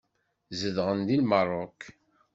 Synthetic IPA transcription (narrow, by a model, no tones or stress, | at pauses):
zəðʁənd̪ilmərˤːokː